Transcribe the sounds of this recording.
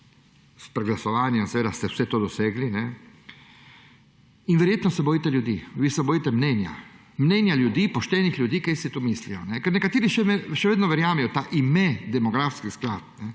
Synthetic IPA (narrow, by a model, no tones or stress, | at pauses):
spɾɛɡlasɔʋaːnjɛmsɛeːd̪ast̪ɛwsɛt̪oːd̪ɔseːɡlinɛ | inʋɛɾjeːt̪nɔsɛbɔjit̪ɛljud̪iʋiːsɛbojit̪ɛmnɛːnja̰ | mnɛːnjaljud̪iːpɔʃt̪ɛːnixlʲjud̪iːkajsit̪oːmislijɔnɛkɛɾnɛkat̪eːɾiʃɛʃɛʋeːd̪nɔʋɛɾjaːmɛjɔt̪aːʔimɛd̪ɛmɔɡɾaːfskixsklaːt̪̚nɛ